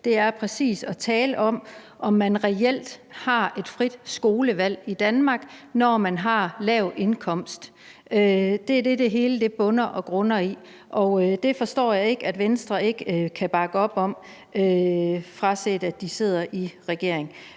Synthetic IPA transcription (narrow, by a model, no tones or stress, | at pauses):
d̥e̝æɐpʰʁɛsḭːsɒ̽t͡sʰɛːləʔɒ̽m̰ | ʔɒ̽mːænʁɛel̰d̥hɑ̈e̝d̥fʁid̥sɡ̥o̝ːləʋæl̰id̥ænmɑ̈ːɡ̥nɒmænɦɑ̈lɛʊʔe̝nkʰɒ̽m̰sd̥ | ød̥e̝æɐd̥e̝d̥e̝ɦe̝ːləd̥e̝b̥ɔ̽nɐʔɒ̽ɡ̥ʁɔnɐi | ʔɒ̽ʊd̥e̝fɒ̽sd̥ɒ̰ːjɑ̈e̝ɡ̥əæd̥ʋensd̥ʁɐe̝ɡ̥əkʰæb̥ɑ̈ɡ̥əɒ̽b̥ɒ̽m̰ | øfʁɑ̈sed̥æd̥ise̝ð̞̰ˠɐʔiʁɛɡ̥e̝ɐ̰eŋ